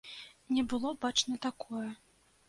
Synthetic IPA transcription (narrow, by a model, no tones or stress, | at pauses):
nʲɛbɨlˠɔbat͡ʂnɐt̪akʰɔjɛ